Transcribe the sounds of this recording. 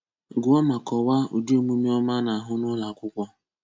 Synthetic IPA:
ɡʊ˨˦ɔ˦ma˨kɔ˨wa˦ṵ˨di˦o˦mu˦mi˦ɔ˦ma˦na˨ɦʊ˦nʊ˦la˨ɡʷʊ˦kʷɔ˦

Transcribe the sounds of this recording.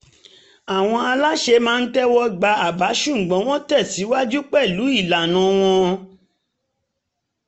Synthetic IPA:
a˨w̃ɔ̃˧a˧la˦ʃe˧mãː˦˧n̩˦tɛ˦wɔ˧ɡ͡ba˧a˨ba˨˦ʃũ˦˨ɡ͡bɔ̃˨˦w̃ɔ̃˦tɛ˦˨ti˨˦wa˦d͡ʒu˦k͡pɛ˦˨lu˨˦i˦˨la˨nã˨˦w̃ɔ̃˧

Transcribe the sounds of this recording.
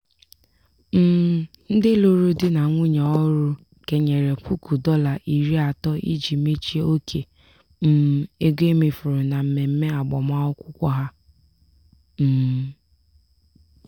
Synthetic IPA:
m̩˦˨ | n̩˦dɪ˦lo˦ɾu˦dɪ˦na˨ŋʷʊ˦ɲa˨ɔ˦ɾu˦ | ke˨ɲe˨ɾe˨pu˦ku˨dɔ˦la˨ʔi˨ɾi˦a˨tɔ˦ʔḭ˦d͡ʒi˨˦me˦t͡ʃi˦o˦kʰe˨ | m̩˦˨e˦ɡʷe˦me˨fʊ˨ɾʊ˨na˨m̩˨me˨m̩˦me˦a˨ɡ͡bɔ˨ma˦ʊ˦kʷʊ˦kʷɔ˦ɦa˦ | m̩ː˦˨

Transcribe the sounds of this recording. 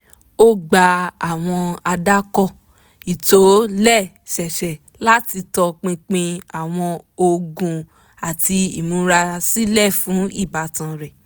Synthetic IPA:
o˦ɡ͡ba˧a˨w̃ɔ̃˧a˧da˦kɔ˦˨ | i˨to˨˦lɛ˦˨ | ʃɛ˨ʃɛ˨ | la˦ti˧tɔ˧k͡pĩ˧k͡pĩ˧a˨w̃ɔ̃˧o˧ɡũ˧ | a˨ti˧ḭ˨mũ˨˦ɾa˧si˦lɛ˦˨fũ˨˦i˦˨ba˨tã˧ɾɛ˨

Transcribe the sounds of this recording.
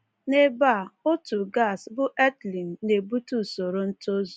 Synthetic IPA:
ne˦ba˦˨o˦tu˨ɡa˦˨sbʊ˦ʔe˦tli˨n˨ne˨bu˦tu˦so˨ɾo˨n̩˦to˦zu˨

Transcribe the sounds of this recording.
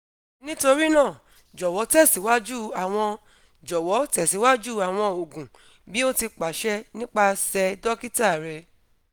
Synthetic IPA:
nĩ˦to˧ɾi˦nãː˦˨ | d͡ʒɔ˨wɔ˨˦tɛ˦˨si˨˦wa˦d͡ʒu˦˨a˨w̃ɔ̃˧ | d͡ʒɔ˨wɔ˨˦tɛ˨si˨˦wa˦d͡ʒu˦˨a˨w̃ɔ̃˧o˨ɡũ˨ | bi˦o˦ti˧k͡pa˨ʃɛ˦nĩ˦k͡pa˦˧sɛ˧dɔ˦ki˦ta˦˨ɾɛ˧

